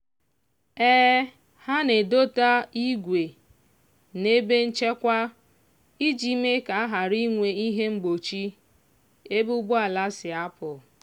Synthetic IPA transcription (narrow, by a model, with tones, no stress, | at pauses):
ɛː˦ | ha˦ne˨do˦ta˦i˦ɡʷe˨ | ne˦be˦n̩˦t͡ʃe˦kʷa˦ | i˦d͡ʒi˦me˦ka˨a˦ɦa˨ɾi˦ŋʷe˨i˦ɦe˦ŋ͡m̩˦ɡ͡bo˨t͡ʃi˦ | e˦bu˦bʊ˦a˨la˦sɪ˨a˦pʊ˨